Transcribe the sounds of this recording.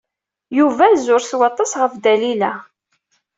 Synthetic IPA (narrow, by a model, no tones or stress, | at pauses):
juvæzʊɾθwɑt̪ˤːɑsʁəfd̪ælilæ